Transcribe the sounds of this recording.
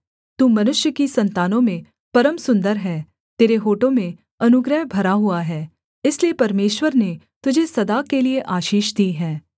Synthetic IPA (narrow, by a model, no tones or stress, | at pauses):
t̪uːmɐnʊʃjəkisɐ̃nt̪aːnõmẽ | pɐɾəmsʊ̃nd̪əɾɦɛː | t̪eːɾeɦoːʈõmẽ | ɐnʊɡɾəɦbʱɐɾaɦuaɦɛː | ɪsliepɐɾmeːʃwəɾne | t̪ʊd͡ʒʱesɐd̪akelieʔaːʃiːʃd̪iːɦɛː